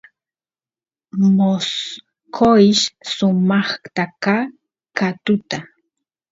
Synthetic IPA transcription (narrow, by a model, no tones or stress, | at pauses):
mos | kʰoɪʃsʊmɑχt̪akaː | kat̪ʊt̪a